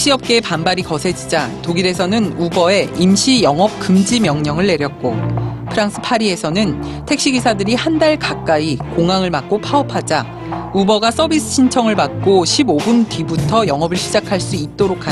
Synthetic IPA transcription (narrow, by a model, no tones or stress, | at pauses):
eɕ͈iʌp̚k͈epambaɾikʌsʰe̞d͡ʑid͡ʑatoɡiɾe̞sʰʌnɯnubʌe̞imɕʰijʌŋʌp̚k͈ɯmd͡ʑimjʌŋɲʌŋɯɭːe̞ɾjʌt̚k͈opʰɯɾaŋs͈ʰɯ̥pʰaɾie̞sʰʌnɯn | tʰe̞k̚ɕ͈iɡisʰadɯɾihandaɭkak͈̚aikoŋaŋɯɭmak̚k͈opʰaʌpʰad͡ʑa | ubʌɡas͈ʌbis͈ʰɯ̥ɕʰint͡ɕʰʌŋɯɭmak̚k͈oɕʰibobuntibutʰʌjʌŋʌbɯɭɕʰid͡ʑakʰaɭs͈uit̚t͈oɾokʰa